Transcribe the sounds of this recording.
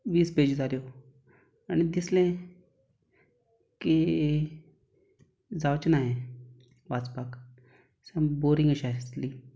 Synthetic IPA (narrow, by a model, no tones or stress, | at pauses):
ʋiːsped͡ʑd͡zaɾjo | añid̪islẽ | ki | d͡zawt͡ɕnaɦẽ | ʋat͡spak | sãboɾĩŋɡəɕasli